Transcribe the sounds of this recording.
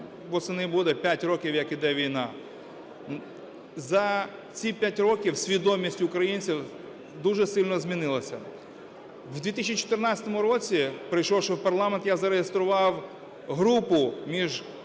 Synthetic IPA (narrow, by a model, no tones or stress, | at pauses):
bɔsɛnɪbud̪ɛpʲjatʲɾɔkʲiwjɐkid̪ɛʋʲijnɑ | zɐ | t͡sʲipʲjatʲrɔkʲiwsʲʋʲid̪ɔmʲisʲtʲʊkɾɐjinʲt͡sʲiw | d̪uʒɛsɪlʲnɔzʲmʲinɪlˠɐsʲɐ | d̪ʲit̪isʲt͡ʃit͡ʃɔ̥t̪ɪrnat͡sʲsʲɐ̥t̪ɔmʊɾɔt͡sʲipɾɪjʃɔwʃɛwpɐrlˠɑment̪jazɐɾeɦest̪ɾʊʋɑw | ɦɾupʊmʲiʒ